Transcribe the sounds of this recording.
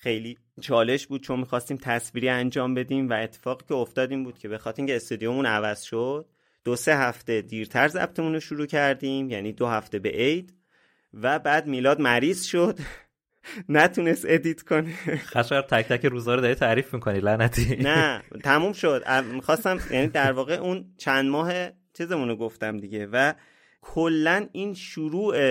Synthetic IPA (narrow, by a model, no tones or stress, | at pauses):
xejliː | t͡ʃʰɒːle̞ʃbuːd̪̥̚t͡ʃʰo̞nmiːxɒːst̪iːmt̪ʰæsviːɾiːænd͡ʒɒːmbe̞d̪iːmvæe̞t̪ʰːe̥fɒːɣiːcʰe̞oft̪ɒːd̪iːmbuːd̪̥cʰe̞be̞xɒt̪ʰeɾiŋcʰeːst̪ud̪ijomuːnævæz̥ʃod̪̥̚ː | ose̞ɦæft̪e̞d̪iːɾt̪ʰæɾzæ̰b̥t̪ʰe̞munoʃuɾuːcʰæɾd̪iːmjæniːd̪ohæft̪e̞be̞̰ʔejd̪ | væbæːd̪̚miːlɒːd̪mæɾiːz̥ʃo̞d̪̥ | næt̪ʰune̞st̪e̞d̪it̪ʰkʰo̞neχæʃʁæɾt̪ʰæc̚t̪ækeɾuːzɒːɾod̪ɒɾit̪ʰæɾiːfmikʰonilænæt̪ʰinæt̪ʰæmuːmʃo̞d̪æ̰mixɒːst̪æmjæ̰ːniːd̪æɾvɒːɣeʔunt͡ʃʰænd̪mɒːɦe | t͡ʃʰizemunoɡo̞ft̪æmd̪iɟe̞væ | kʰolːæniːnʃuɾuːʔe